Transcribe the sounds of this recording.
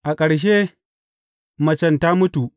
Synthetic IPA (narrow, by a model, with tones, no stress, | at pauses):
ʔa˨kʼɐ˨ɽʃ̬e˦ | mɐ˨t͡ʃɐ˦˨nta˦mʊ˦tu˨ʔ